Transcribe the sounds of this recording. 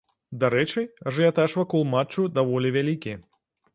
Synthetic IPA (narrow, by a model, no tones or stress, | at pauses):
d̪aɾɛt͡ʂɨʐɨjat̪aʂvɐkɔlˠmat͡ʂːud̪avɔlʲivʲalʲikʲi